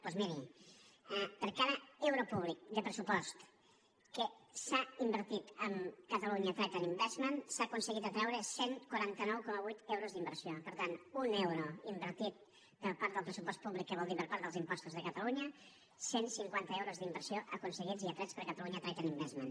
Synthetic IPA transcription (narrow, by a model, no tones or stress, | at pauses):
pɔzmiɾi | ɛpəɾkaðəɛwɾopuβlik̚d̪əpɾəsupɔst̪ | kəsaimbəɾt̪it̪əmkət̪əluɲət̪ɾɛt̪ənimbɛzmənsaːkunsəɣit̪ət̪ɾɛwɾəseŋkwaɾant̪ənɔwkɔməβujt̪ɛwɾozðimbəɾsiopəɾt̪anunɛwɾoimbəɾt̪it̪̚ | pəɾpaɾt̪əlˠpɾəsupɔst̪̚puβlikːəβɔlˠd̪ipəɾpaɾt̪ðəlˠzimpɔst̪uzðəkət̪əluɲə | sensiŋkwant̪əɛwɾozðimbəɾsioʔəkunsəɣid͡ziat̪ɾɛt͡spəɾkət̪əluɲət̪ɾɛt̪ənimbɛzmən